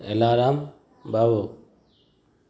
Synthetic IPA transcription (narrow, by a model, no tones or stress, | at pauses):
ḛlaːɾaːm | baʋoː